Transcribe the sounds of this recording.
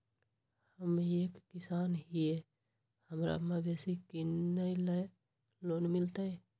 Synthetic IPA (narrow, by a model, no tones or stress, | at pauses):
həmekːisanɦie | həmɾa̰mebesikinəjlə | lonmilt̪əj